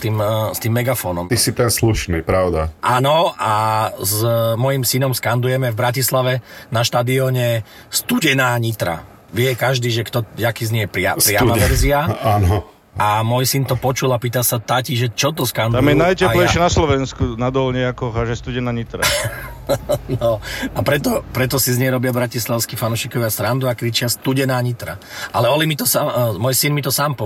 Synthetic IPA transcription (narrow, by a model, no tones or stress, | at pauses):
t̪iːmst̪iːmːɛɡafɔːnɔmisit̪ɛnsluʃniːpɾaʊd̪a̰ʔanɔʔazmɔjimsinɔmskand̪ujɛmɛvbɾacislaʋɛnaʃt̪ad̪iɔɲɛ | st̪uɟɛnaːɲit̪ɾa̰ | ʋɪɛkaʒd̪iːʒɛkt̪ɔakiːzɲijɛpɾɪa̰pɾɪamaʋɛɾziaaːnɔ | amɔjsint̪ɔpɔt͡ʃulapiːt̪asat̪aːciʒɛt͡ʃɔt̪ɔskand̪amjɛnajcɛplɛjʃjɛnaslɔʋɛnskunad̪ɔlɲɛakɔɦaʒɛst̪uɟɛnaːɲit̪ɾa | nɔapɾɛt̪ɔpɾɛt̪ɔsizɲɛjɾɔbɪabɾacislaʊskifanuʃikɔʋiast̪ɾand̪uakɾit͡ʃɪast̪uɟɛnaːɲit̪ɾa̰ʔalɛɔlimit̪ɔsaːmɔjsinmit̪ɔsaːmpɔ